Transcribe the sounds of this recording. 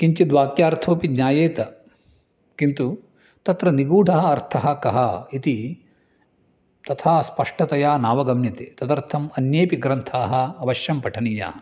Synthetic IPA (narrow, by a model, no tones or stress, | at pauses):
kiɲt͡ʃid̪ʋaːkjaːɾt̪ʰoːpidɲaːjeːt̪ɐ | kint̪u | t̪ɐt̪ɾɐniɡuːɖʱɐɦɐɐɾt̪ʰɐɦɐkɐɦɐit̪i | t̪ɐt̪ʰaːspɐʂʈɐt̪ɐjaːnaːʋɐɡɐmjɐt̪eːt̪ɐt̪ɐɾt̪ʰɐmɐnjeːpiɡɾɐnt̪ʰaːɦɐ̆ːʋɐʃjɐmpɐʈʰɐnija̰ː